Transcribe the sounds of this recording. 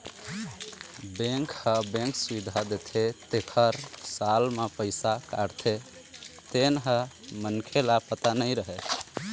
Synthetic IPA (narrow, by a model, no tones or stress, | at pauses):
bẽŋkhəbẽŋksuid̪ʱad̪et̪ʰet̪ekʰəɾsalmepəɪsakaɾt̪ʰe | t̪enɦə | mənkʰelapət̪anəjɾəɦe